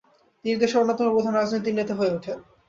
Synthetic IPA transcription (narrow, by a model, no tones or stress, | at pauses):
d̪iɾd̪eʃeonːot̪omopɾod̪ʱanɾad͡ʑnojt̪̬inet̪aɦoeuʈʰe